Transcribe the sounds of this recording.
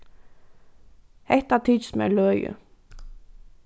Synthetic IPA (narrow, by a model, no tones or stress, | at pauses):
hɛht̪at̪ʰismɛ̰lœːjʏ̰